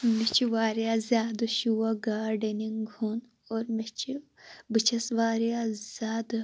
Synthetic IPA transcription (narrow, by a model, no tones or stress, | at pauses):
mit͡ʃʰiʋaːɾjaːzʲjaːd̪ɨʃuːwaɡaːɾɖeniŋɡʱun | oːɾmit͡ʃʰibɨt͡ʃʰɐsʋaːɾijaz̥jaːd̪